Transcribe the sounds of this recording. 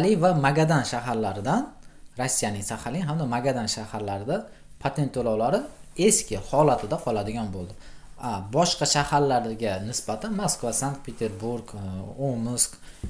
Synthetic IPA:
lɪvamaɡʲad̪anʃaɦaɾlaɾɪd̪anɾosːijanɪŋsahalɪŋɦamd̪amaɡad̪anʃahaɾlaɾɪd̪a | pʰat̪ʰe̞nt̪ʰolawlaɾɪe̞skʲʰɪhɒlat̪ʰɪd̪aqʰɒlad̪ɪɡʲanbolˠd̪ɪ | abɒʃqɑʃahaɾlaɾɡʲanɪsbat̪ʰanmaskvasaŋk̚t̪̚pʰet̪ʰeɾbuɾɡomsk

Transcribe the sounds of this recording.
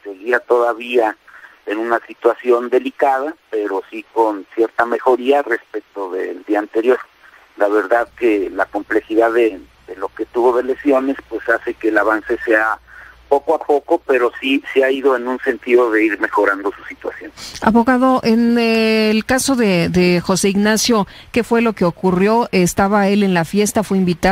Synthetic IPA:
se̞ɣiat̪o̞ðaβia | enũnasit̪wasjo̞nd̪e̞likað̞ape̞ɾosiko̞nsje̞ɾt̪ame̞xo̞ɾiare̞spek̚t̪o̞ðḛld̪iaːnt̪e̞ɾjo̞ɾ | laβe̞ɾðaðkelako̞mple̞xiðaðe | ðe̞lo̞ket̪uβo̞ðe̞le̞sjo̞ne̞spwe̞sase̞ke̞ːlaβanse̞seapo̞koapo̞ko̞pe̞ɾo̞siseaiðo̞enũnse̞nt̪iðo̞ðe̞iɾme̞xo̞ɾand̪o̞su̥sit̪wa̰sjo̞na̰βo̞ɣaðo̞ʔe̞nelkaso̞ðeðexo̞seiɣnasjo̞ | ke̞fwe̞lo̞ke̞okurjo̞est̪aβae̞le̞nlafje̞st̪afweimbit̪a

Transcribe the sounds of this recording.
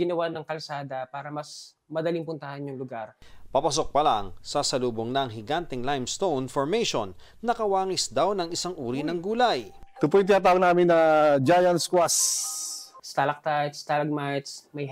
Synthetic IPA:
ɡɪnɐwanɐŋkɐlsaːd̪ɐpaːɾɐmɐs | mɐd̪ɐliŋpʊnt̪ɐhanjʊŋlʊɡaɾpɐpɐs̬o̞k̚pɐlaŋsɐsɐluːboŋnɐʔɐŋɦɪɡant̪ɛŋlajmst̪ownfoɹmɛjʃo̰nː | ɐkɐwaːŋɪsd̪awnɐŋɪsaŋʔuːɾinɐŋɡuːlɐjt̪ʊpujt̪ɪnat̪aːwɐɡnaːmɪnːɐd͡ʒajɐnskwas | st̪alɐk̚t̪at̪st̪alɐɡ̚mat̪smɐj

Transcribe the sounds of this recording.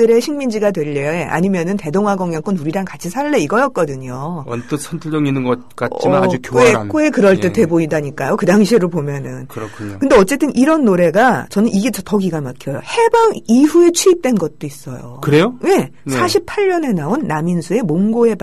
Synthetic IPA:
tɯɾe̞ɕʰiŋmind͡ʑiɡadwe̞ʎːʌeʔa̰ɲimjʌnɯnte̞doŋɦaɡʌŋjʌŋk͈ɯnuɾiɾaŋkat͡ɕʰisʰaɭːe̞iɡʌjʌt̚k͈ʌdɯɲoʌ̰nt͈ʌsʰʌntʰɯɭd͡ʑʌŋinɯnɡʌ | k͈aiad͡ʑukjek͈oe̞kɯɾʌɭt͈ete̞boidaɲik͈ajokɯdaŋɕʰieɾopomjʌnɯnkɯɾʌkʰuɲkɯndeʌt͡ɕ͈e̞t͈ɯniɾʌnːoɾe̞ɡat͡ɕʌnɯniɡe̞t͡ɕʌtʌɡiɡamakʰjʌjo̰he̞baŋiɸue̞t͡ɕʰuip̚t͈we̞nɡʌt̚t͈ois͈ʌjo̰kɯɾejoje̞nsʰaɕʰip̚ʰaʎːʌne̞naonːaminsʰue̞moŋɡoe̞b

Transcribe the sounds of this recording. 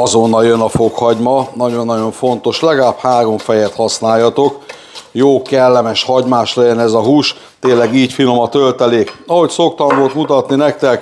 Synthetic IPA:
ɒzo̞nːɒljønɒfo̞khɒɟmɒnɒɟo̞nːɒɟo̞ɱfo̞nt̪o̞ʃlɛɡɒlaːphaːɾo̞ɱfɛjɛt̪hɒsnaːjːɒt̪o̞k | joːkɛlːɛmɛʃhɒɟmaːʃlɛɟɛnɛzɒɦuːʃ | t̪eːlːɛɡiːcfilomɒt̪ølt̪ɛleːkɒho̞cso̞kt̪ɒɱvo̞lt̪mut̪ɒt̪ninɛk̚t̪ɛk

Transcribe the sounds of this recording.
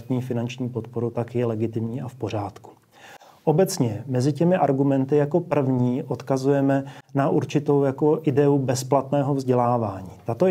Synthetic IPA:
t̪ɲiːfɪnant͡ʃɲiːpo̞t̪po̞ɾut̪akjɛlɛɡɪt̪ɪmɲiːʔafpo̞ɾ̝aːt̪ku̥ | ʔo̞bɛt͡sɲɛmɛzɪcɛmɪʔaɾɡumɛnt̪ɪjako̞pr̩vɲiːʔo̞t̪kazujɛmɛnaʔuɾt͡ʃɪt̪o̞wjako̞ʔɪdɛubɛsplat̪nɛːɦo̞vzɟɛlaːvaːɲiːt̪at̪o

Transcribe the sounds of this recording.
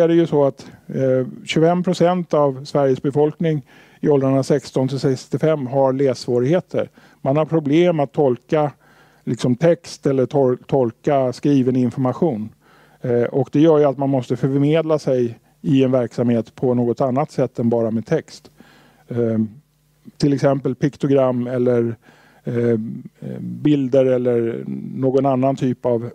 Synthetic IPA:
æɖɛjɵsɔat̪ | ɕɵfɛmpʰɾʊsɛnt̪avsvæɾjəsbɛfɔlknɪŋ | ɪɔld̪ɾaənasɛkst̪ɔnt̪ʰɪlsɛkst̪ɪfɛmːɦaɾleːsvoːɾɪɡheːt̪ʰə̰ɾ | manhaɾpʰɾʊbleːmat̪ʰːɔlka | lɪksɔmt̪ʰɛkst̪ɛlːəɔt̪ʰɔlkaskɾiːvənəɪnfɔɾmaɧuːn | ʔɔkd̪ɛjœːjat̪manmɔst̪əfœmeːd̪lasɛj | ɪɛnvæɾksamheːt̪pʰɔnoːɡɔt̪anːat̪sɛt̪ːɛnbɑːɾameːd̪̚t̪ʰɛkst̪ | t̪ʰɪlɛksɛmpəlpʰɪkt̪ʊɡɾamːɛlːəɾ | bɪld̪əɾɛlːəɾnoːɡɔnanːant̪ʰyːpav

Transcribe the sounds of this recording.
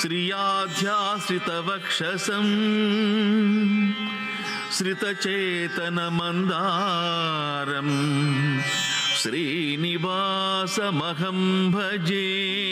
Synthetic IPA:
ʃɾijaːd̪ʱjaːʃɾit̪ɐʋɐkʂɐsɐm | ʃɾit̪ɐt͡ʃeːt̪ɐnɐmɐnd̪aː | ɾɐm | ʃɾiː | niʋaː | sɐmɐɡɐmbʱɐd͡ʒeː

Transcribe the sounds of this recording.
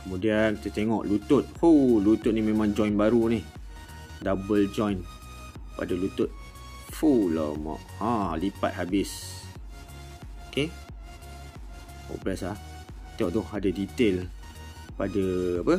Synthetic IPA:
kəmudiankit̪ət̪eŋɔ̰ʔlut̪ʊt̪̚fulut̪ʊt̪̚nimemãŋd͡ʒɔjnbaɾunih | dabəld͡ʒɔ̃jn | pa̰dalut̪ʊt̪̚ | fulɔ̰mɔ̰ʔãlipa̰t̪̚ɦabɪs | oke | o̰plɛslah | t̪eŋɔ̰̃ʔt̪ʊhadadit̪el | padəapə

